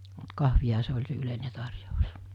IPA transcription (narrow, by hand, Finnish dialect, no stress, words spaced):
mut kɑhʋihɑ se olʲ se yleine tɑrjous